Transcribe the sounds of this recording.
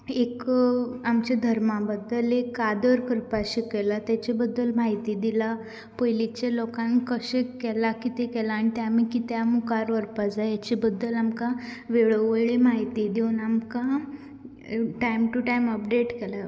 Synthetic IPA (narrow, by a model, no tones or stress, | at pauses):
ekamt͡ɕad̪ʱəɾmabəd̪ːəlekːad̪əɾkəɾpaɕikɛlat̪jat͡ɕebəd̪ːəlmaɦit̪iːd̪ila | pəjlit͡ɕalokãnkəɕẽkɛlakit̪ekɛlaːñit̪jamikit̪jamukaɾʋəɾpad͡zajat͡ɕebəd̪ːəlamkãʋeɭəʋəjɭemaɦit̪id̪eunamkã | ʈajmʈuʈajməpɖeʈkɛla